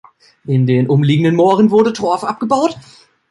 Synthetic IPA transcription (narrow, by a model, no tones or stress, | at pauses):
ʔɪndeːnʔʊmliːɡŋ̩dənmoːʁənvʊɐdətʁ̥ɔɐfʔap̚ɡ̥əbaʊt